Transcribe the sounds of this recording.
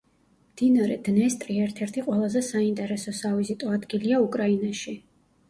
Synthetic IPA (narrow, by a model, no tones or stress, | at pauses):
md̪̥inaɾɛ̰d̪̥nɛst̪ʼɾiɛɾt̪ʰɛɾt̪ʰiqʼwɛlˠazɛsaint̪ʼɛɾɛsɔsavizit̪ʼɔad̪ɡiliaukʼɾainaʃi